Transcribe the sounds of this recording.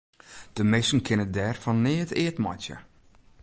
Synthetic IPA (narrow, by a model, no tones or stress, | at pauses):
d̥əmɪsn̩kʰɪnədɛrfɔnːɪːtɪətmɔ̰tjə̰